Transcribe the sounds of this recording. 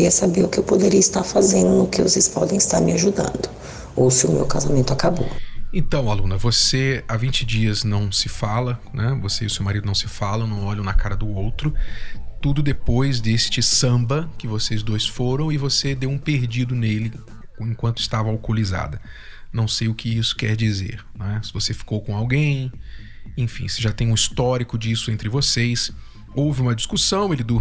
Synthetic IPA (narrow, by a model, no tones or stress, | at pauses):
iɐsabeɾʊkɪewpod̪eɾiɐist̪aɾfazẽnd̪ʊnʊkɪvosejspɔ̰d̪ẽj̃ɪst̪aɾmɪaʒud̪ɐ̰̃nd̪ʊ | owsɪʊmḛwkazamẽnt̪ʊakabo̰ẽt̪ɐ̃w̃alũnɐvoseavĩt͡ʃɪd͡ʒiɐznɐ̃w̃sɪfalɐnɛvoseiʊsewmaɾid̪ʊnɐ̃w̃sɪfalɐ̃w̃nɐ̃w̃ɔʎɐ̃w̃nɐkaɾɐd̪ʊowt̪ɾʊt̪ud̪ʊd̪epojzd̪est͡ʃɪsɐ̃bɐkɪvosejzd̪ojsfoɾɐ̃w̃ɪvosed̪ewũpeɾd͡ʒid̪ʊnelɪ | ẽkwɐ̃nt̪ʊɪ̥st̪avɐawkoliza̰d̪ɐ | nɐ̃w̃sejʊkɪisʊ̥kɛ̰ɾd͡ʒizḛɾñɛsɪvosefi̥kowkõawɡẽj̃ | ẽfḭ̃sɪʒat̪ẽj̃ũist̪ɔɾikʊd͡ʒisʊẽnt̪ɾɪvosejs | owvɪũmɐd͡ʒiskusɐ̃w̃elɪd̪u